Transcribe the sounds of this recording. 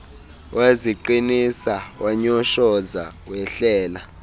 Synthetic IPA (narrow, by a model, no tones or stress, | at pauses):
weziǃinisawaɲɔʃɔza | wɛɬɛːla